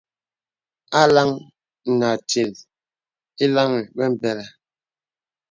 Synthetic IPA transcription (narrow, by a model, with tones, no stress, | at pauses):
a˦la˦ŋ̩˨ | na˨ti˨l | i˦la˦mi˨bɛ˦m̩˨bɛ˨la˨